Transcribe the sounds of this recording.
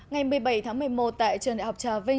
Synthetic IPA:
ŋa˨˩jmɨ˨˩əjɓa˧˩jt̪ʰaː˨˦ŋmɨ˨˩əjmo˨˩t̚t̪a̰ː˧˨jt͡ɕɨ˨˩nɗa̰˧˨ha˨˩k͡p̚t͡ɕaː˨˧˩vï˧

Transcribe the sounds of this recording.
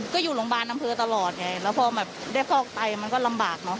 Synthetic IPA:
kɔː˥˩juː˨˩lo˩˦ŋbaː˧nʔa˧mpʰɤː˧t̪a˧lɔː˨˩t̪̚ŋa˨˧˩jlɛː˦˥wpʰɔː˧bɛː˨˩p̚da˥˩jkʰɔː˥˩k̚t̪a˧jma˧nkɔː˥˩la˧mbaː˨˩k̚nɔ˦˥

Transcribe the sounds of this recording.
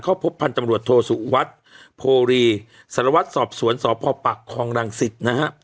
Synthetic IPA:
kʰaː˥˩wpʰo˦˥pʰːa˧nt͡ɕa˧mɾu˨˩ət̪ʰːoː˧su˨˩wa˦˥t̪̚pʰoː˧ɾiː˧ | sa˨˦ɾa˧wa˦˥t̪̚sɔː˨˩p̚su˩˦ənsɔː˩˦pʰɔː˧paː˨˩kʰːɔː˧ŋɾa˧ŋsi˨˩t̪̚na˦˥kʰa˦˥

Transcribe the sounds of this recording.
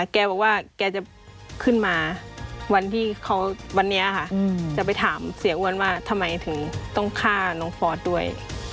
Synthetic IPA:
kɛː˧bɔː˨˩k̚waː˧˥˩kɛː˧t͡ɕa˨˩ | kʰɯ˥˩˨nmaː˧wa˧nt̪ʰiː˥˩kʰa˧˥wwa˧nːi˦˥ɐʔkʰa˧˩t͡ɕa˨˩p̬a˧jt̪ʰaː˩˦msi˩˦ʔu˧˩ə˨nwaː˧˥˩t̪ʰa˧mːa˧˦jt̪ʰɯ˩˦ŋt̪ɔ˥˩ŋkʰaː˥˩nɔː˨˦ŋfɔː˧t̪̚du˥˩əj

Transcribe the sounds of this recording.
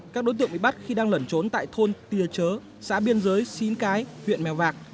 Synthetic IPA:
kaː˦˥k̚ɗo˨˦jt̪ɨ̰˧˨əŋɓḭ˧˨ɓa˦˥t̚xi˧ɗaː˧ŋlə˧˩nt͡ɕo˨˦nt̪a̰ː˧˨jt̪ʰo˧nt̪i˨˩ət͡ɕəː˨˦ | sa̰ː˧˥ɓi˧ənzəː˨˦jsi˨˦nkaː˨˦jhwḭ˧˨ənmɛ˨˩wvaː˨˩k̚

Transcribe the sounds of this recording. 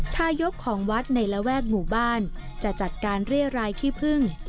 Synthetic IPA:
t̪ʰaː˧jo˦˥p̚kʰɔː˩˦ŋwa˦˥t̪̚na˧jla˦˥wɛː˥˩k̚muː˨˩baː˥˩n | t͡ɕa˨˩t͡ɕa˨˩t̪̚kaː˧nɾi˥˩əɾaː˧jt̪ʰiː˥˩pʰɯ˥˩ŋ

